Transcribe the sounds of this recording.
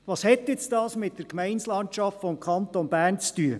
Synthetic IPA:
ʋɑːshɛt̪ɪt͡stɑːsmɪt̚dəɾkmɛɪnslɑntt͡ʃɑftfɔmkʰχɑnt̪ɔnb̥æːrnt͡styə

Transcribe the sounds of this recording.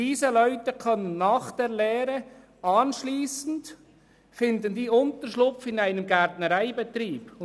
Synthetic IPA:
iːsəlœʏtəkʰœnənːaːχd̥eːɾlɛːɾə | ɑːnʃliːsn̩t | fɪndəndiːʊntəɾʃlʊfɪnaɪnəmɡɛɾtnəɾaɪbet̪ɾiːb̥

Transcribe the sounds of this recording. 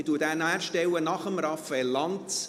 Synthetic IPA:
tuːətæːnæːɾʃtɛwənɑχəmɾɑfɛlːɑnt

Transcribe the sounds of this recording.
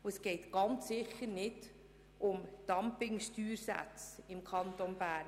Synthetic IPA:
uɛsɡ̥ɛɪt̪ɡ̥ɑnt͡sːɪχəɾnɪd̥ | ʔʊmd̥ɑmpɪŋʃtyːɾsæ̰t͡sɪmkʰɑnt̪onb̥æːɾn

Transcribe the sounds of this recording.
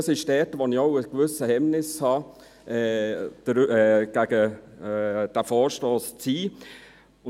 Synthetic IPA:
ɑsɪʃd̥ɛːtəʋonɪoʊəkʋʏsəhɛmnɪshɑː | ɛd̥əɾɛɡ̥æɡ̥ə | d̥æfɔːɾʃtoːst͡siː | ʊ

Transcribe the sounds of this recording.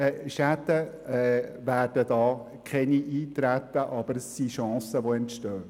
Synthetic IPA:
ɛʃætə | ɛvæːrd̥ədɑː | kʰɛniʔiːt̪ɾæt̪əʔɑb̥əɾsiʃɑ̃ːsəʋoɛntʃtøː

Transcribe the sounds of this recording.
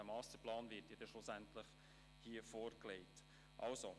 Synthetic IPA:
æmɑːstəɾplɑːnvɪtjɛdɛʃlʊsæntlɪχ | hiːəfoːɾkleɪt | ʔɑ̰lso

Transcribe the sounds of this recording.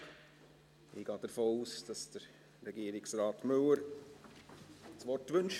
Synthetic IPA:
ʔḭːɡ̥ɑːd̥əɾfoːuːsd̥ɑsd̥əɾ | ɾɛɡiːɾɪksɾɑːtmɵləɾ | t͡sʋɔrtʋɵnʃ

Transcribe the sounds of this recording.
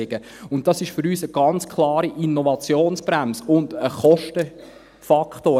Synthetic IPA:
ɪɡə | ʊnt̚tɑsɪʃfʏɾyːsəɡ̥ɑnt͡skʰlˠɑːɾiʔinːɔvɑt͡sjoːnsb̥ɾæmsʊndəχɔʃtə | fɑkχtoː

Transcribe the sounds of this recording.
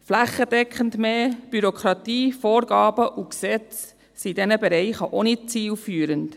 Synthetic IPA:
flæχəd̥ɛkχəndmeːb̥yɾokχɾɑtiːfoːɾɡɑːb̥əʔuksɛt͡s | sidɛnəbɛɾɛɪχəʔonit͡siːlfyːɾənt

